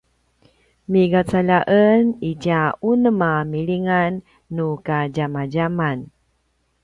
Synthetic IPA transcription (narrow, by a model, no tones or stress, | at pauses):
miɡat͡salaʔəniɟaunəmamiliŋanː | ukaɟamaɟaman